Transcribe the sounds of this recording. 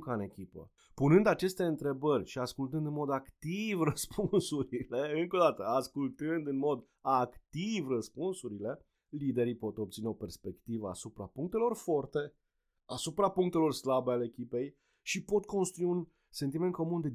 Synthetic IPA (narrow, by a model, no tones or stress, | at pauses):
kane̞kʲipə̰ | punɨnd̪at͡ʃe̞st̪e̞ɨnt̪ɾe̞bərʲʃiaskult̪ɨnd̪ɨnmo̞d̪akt̪ivrəspʰunsuɾile̞ɨŋko̞d̪at̪əaskult̪ɨnd̪ɨnmo̞d̪ | akt̪ivrəspunsuɾile̞ | lid̪e̞ɾipo̞t̪op̚t̪sineo̞pe̞rspe̞kt̪ivəa̰supɾa̰puŋk̚t̪e̞lo̞rfo̞rt̪e̞ | asupɾapuŋk̚t̪e̞lo̞rslabealeekʲipe̞j | ʃipo̞t̪̚kʰo̞nst̪ɾujun | se̞nt̪̬ime̞nt̪̚ko̞mund̪e